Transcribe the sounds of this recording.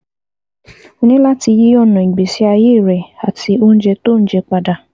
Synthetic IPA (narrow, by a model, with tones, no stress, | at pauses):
o˧nĩ˦la˦ti˧ji˦ɔ˦˨nɔ̃˨i˨ɡ͡be˨si˨˦a˧je˦˨ɾɛ˨a˨ti˧o˧˦n̩˦d͡ʒɛ˧to˦˨n̩˦d͡ʒɛ˧k͡pa˧da˧˨